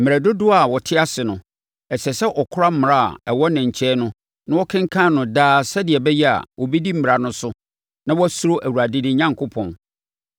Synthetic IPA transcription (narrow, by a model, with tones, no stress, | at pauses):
m̩˨ɪ˨ɾæ˨dʊ˦dʊ˦a˨wɔ˨tʰɪ˦a˦sɪ˨nʊ̃˨ | ɛ˨sɛ˨sɛ˦ʔɔ˨kʰʊ˦ɾa˦m̩˦mɪ̃˨a˦a̰˨ɛ˨wɔ˦nɛ̃˨ɲ̩˨t͡ɕʰɛː˦nʊ̃˦ | nã˦wɔ˦kʰɪ̃˦ŋ˦kʰã˦nʊ̃˨daː˦sɛ˦dɪ˨ɛ˨bɛ˦jɛ˦a̰˨wɔ˨bi˦di˦m̩˦˨ɪ˨ɾa˨nʊ̃˦sʊ˦ | nã˦wɔ˦æ˦su˦ɾo˦ʔæ˨wu˨a˨dɪ˦dɪ˦ɲã˦ŋkʰʊ˦pʰɔ̃˨n